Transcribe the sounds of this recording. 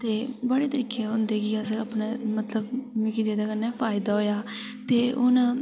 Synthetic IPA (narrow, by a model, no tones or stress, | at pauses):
t̪eːbəɽeːt̪əɾiːkʰeːɦʊnd̪eːkiːəsəpnaːmət̪ləbmikid͡ʒeːd̪aːkənɛːpʰaːɪd̪aːɦoːjaː | t̪eːʔʊn